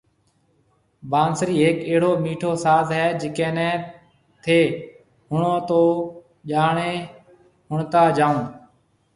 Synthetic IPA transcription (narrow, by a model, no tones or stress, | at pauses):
baːnsɾiːeːkeːɽoːmiːʈʰoːsaːzɦɛːd͡ʒɪkɛ̃ːnɛ̃ː | t̪ʰeː | ɦʊɳõːt̪oː | ʄaːɳeː | ɦʊɳt̪aːd͡ʒaːũː